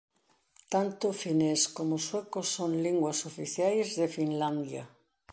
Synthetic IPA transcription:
t̪ant̪ʊfineskomoswekosoŋliŋɡwasofiθjajzðefinland̪ja̰

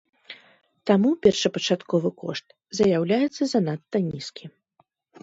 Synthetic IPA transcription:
t̪amupʲɛrʂɐpɐt͡ʂat̪kɔvɨkɔʂt̪ | zɐjawlʲajɛt̪sːɐzanat̪ːɐnʲiskʲʰi

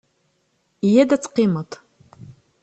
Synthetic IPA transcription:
jedat͡sʰqimatʼ

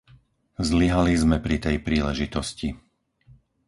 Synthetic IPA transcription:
zliɦalizmɛpɾit̪ɛjpɾiːlɛʒit̪ɔsci

